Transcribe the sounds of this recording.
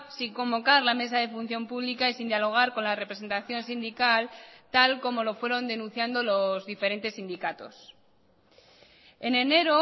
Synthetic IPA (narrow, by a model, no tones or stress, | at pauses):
siŋko̞mbo̞kaɾlame̞saðe̞fun̟θjo̞mpuβlikaisind̪jalo̞ɣ̞aɾko̞nlarepɾe̞se̞nt̪aθjõ̞nsind̪ikalt̪alko̞mo̞lo̞fwe̞ɾo̞nd̪e̞nũn̟θjand̪o̞lo̞zðife̞ɾe̞nt̪e̞sind̪ikat̪o̞̰s | e̞ne̞ne̞ɾo